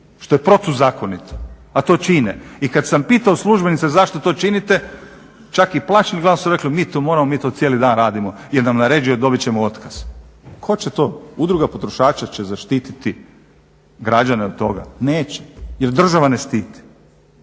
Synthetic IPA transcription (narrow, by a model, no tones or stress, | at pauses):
ʃt̪o̞jepɾo̞t̪uzaːko̞nit̪ʰo̥ | at̪o̞ːt͡ʃinḛikad̪sampiːt̪aoslˠuʒbe̞nit̪sezaʃt̪ot̪o̞ːt͡ʃinit̪e̞ | t͡ʃakiplˠat͡ʃeliɡlaːnsuɾe̞klimiːt̪oːmo̞ːɾamo̞miːt̪osjeːlid̪aːnɾaːd̪imo̞jeɾnamnaɾe̞ːd͡ʒio̞d̪o̞bit͡ɕemoo̞t̪kaz̥kʰo̞t͡ɕet̪o̞ːud̪ɾuɡapo̞t̪ɾo̞ʃaːt͡ʃat͡ɕezaʃt̪iːt̪it̪i | ɡɾad͡ʑaneod̪̚t̪ːo̞̰ɡa̰neːt͡ɕe̥jeɾd̪r̩ʒaʋanest̪iːt̪i̥